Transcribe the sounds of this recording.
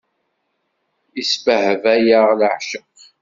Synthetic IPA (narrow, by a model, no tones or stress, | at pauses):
isfəhəvæjaʁləʕʃəq